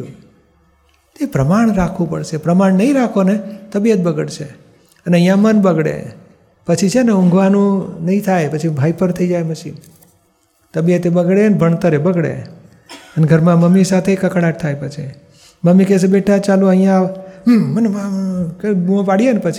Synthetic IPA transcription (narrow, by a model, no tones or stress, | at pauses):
u | t̪epɾəmaɳ̃ɾakʰʋũpəɽʃepɾəmaɳnəɦĩɾakʰonet̪əbijət̪̚bəɡəɽt͡ʃʰḛ | əneəɦjãmənbəɡɽḛ | pət͡ʃʰit͡ʃʰeneũŋɡʋanũnəɦĩt̪ʰajpət͡ʃʰibʱaipəɾt̪ʰəid͡ʒajməʃʰḭn | t̪əbijət̪ebəɡɽeənebʱəɳ̃t̪əɾebəɡɽḛ | əneɡʱəɾmãməmːisat̪ʰekəkɽaʈ̚t̪ʰajpət͡ʃʰi | məmːikes̬ebeʈʰat͡ʃaluəɦĩjãː | ənkũpaɽienepət͡ʃʰi